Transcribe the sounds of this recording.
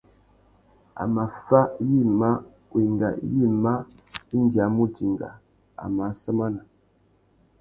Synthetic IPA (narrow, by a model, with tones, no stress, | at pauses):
a̰˨ma˨fa˦ji˦˨ma˦ | wi˨ŋɡa̰˨˦ji˦ma˦ | i˦ndja˨˦mu˦ti˨ŋɡa̰˨ | a̰˨ma˨˦sə˦ma˦na˨